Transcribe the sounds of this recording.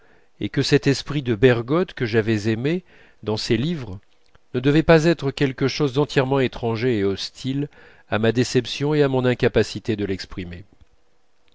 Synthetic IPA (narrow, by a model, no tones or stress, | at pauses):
ekəsɛt̪ɛspχid̪əbɛʁɡɔt̪kəʒavɛzeme | d̪ɑ̃selivʁ | nəd̪əvɛpazɛt̪χəkʲɛlkəʃozd̪ɑ̃t̪jɛʁmɑ̃et̪χɑ̃ʒeːɔst̪ʰil | amad̪esɛpsjɔ̃eamɔ̃nɛ̃kapasit̪ed̪əlɛkspχime